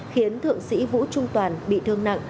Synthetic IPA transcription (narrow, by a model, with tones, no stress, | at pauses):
xi˨˦ənt̪ʰɨ̰˧˨əŋsḭ˧˥vṵ˧˥t͡ɕʊ˧ŋ͡mt̪waː˨˩nɓḭ˧˨t̪ʰɨ˧əŋna̰˧˨ŋ